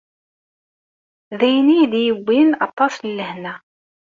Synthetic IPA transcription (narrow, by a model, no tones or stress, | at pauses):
ðæjniðjəɡʷːinɑ̰t̪ˤːɑslːəhnæ